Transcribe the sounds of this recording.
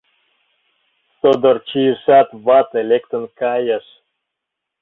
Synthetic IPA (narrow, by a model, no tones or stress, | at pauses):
sod̪ort͡ɕijəʃɑt̪βɑt̪elʲekt̪ə̆nkɑjə̆ʃ